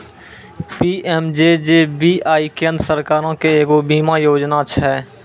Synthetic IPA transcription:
piːʔɛːmd͡ʒed͡ʒebiaːikẽːnd̪ɾsəɾkaːɾõkeeːɡobiːmajoːd͡ʒnat͡ʃʰɛː

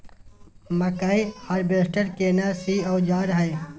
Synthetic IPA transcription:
mɐkaiaːɾbeːsʈəɾkeːnaːsiːoːd͡ʒaːɾɦɐj

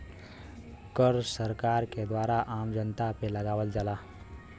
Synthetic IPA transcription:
kəɾsəɾkaɾked̪waɾaʔamd͡ʒənt̪apeləɡaʋəld͡ʒala

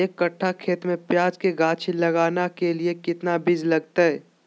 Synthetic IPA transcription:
eːkːɐʈʰːakʰeːt̪mẽpjaːd͡ʒkeɡaːt͡ʃʰilɐɡaːnakeliekɪt̪nabɪd͡ʒlɐɡ̚t̪aɦɛː

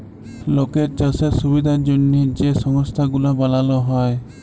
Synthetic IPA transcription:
lokɛɾ̚t͡ʃasasubid̪ʱand͡ʒɔnːid͡ʒɛsɔŋɔst̪ʰaɡulabalalɔɦɔj

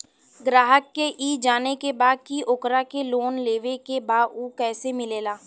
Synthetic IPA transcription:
ɡɾaːɦəkːeʔiːd͡ʒaːnekebaːd̪̚kiʔokɾakeloːnleːʋekebaːuːkɛːsemɪleːlaː

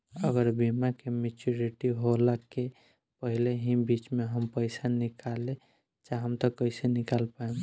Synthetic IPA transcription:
əɡəɾbimakemet͡ʃuɾiʈiɦolakːe | pəɦileɦĩbit͡ʃmeɦəmpəɪsanikʰale | t͡ʃaɦəmt̪əkəisenikalpaem

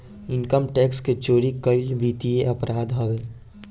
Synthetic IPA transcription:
ɪnkəmʈɛːksket͡ʃoːɾikəɪlbit̪ieəpɾaːd̪ɦɔbeː

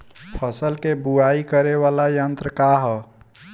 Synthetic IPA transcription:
pʰəsəlkebuaikəɾeβalajənt̪ɾəkaɦə

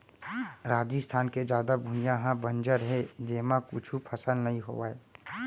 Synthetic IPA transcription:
ɾaːd͡ʒist̪ʰaːnked͡ʒjaːd̪abʱʊ̃jãɦãbə̃nd͡ʒəɾɦɛd͡ʒeːmãkʊ̰t͡ʃʰupʰəsəlnɐɦĩɦo̰ʋaːeː

